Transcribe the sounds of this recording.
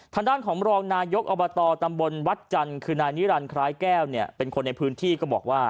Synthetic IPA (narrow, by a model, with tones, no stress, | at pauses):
t̪ʰaː˧ŋdaː˥˩nkʰɔː˩˦ŋɾɔː˧ŋnaː˧jo˦˥k̚ʔɔː˧bɔː˧t̪ɔː˧t̪a˧mbo˧nwa˦˥t̪̚t͡ɕa˧nkʰɯː˧naː˧jni˦˥ɾa˧nkʰɾaː˦˥jkɛː˥˩wni˥˩ɐpe˧nkʰo˧nːa˧jpʰɯː˦˥nt̪ʰiː˥˩kɔː˥˩bɔː˨˩k̚waː˥˩